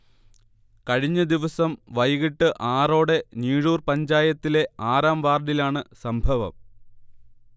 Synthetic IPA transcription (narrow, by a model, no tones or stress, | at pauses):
kɐɻiɲːɐd̪iʋɐsɐmʋɐjɣiʈːɨʔaːro̞ːɽe̞niːɻuːrpɐɲd͡ʑaːjɐt̪ːile̞aːɾaːmʋaːrɖilaːɳɨsɐmbʱɐʋɐ̰m